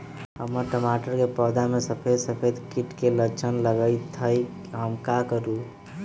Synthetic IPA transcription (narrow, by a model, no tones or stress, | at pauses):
ɦəmːəɾʈəmaʈəɾkepəd̪amesəpʰed̪səpʰed̪kiʈkelət͡ʃʰənləɡəjt̪ʰəj | ɦəmkakəɾu